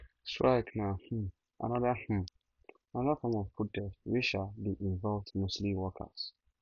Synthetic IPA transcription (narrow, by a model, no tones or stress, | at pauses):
stɹaɪknah̩ | ʔa̰nɔðəh̩ | anɔðəfɔmɔvfut̚dɛswiʃalbiʔĩɱvɔlvdmosliwɔkʰə̰s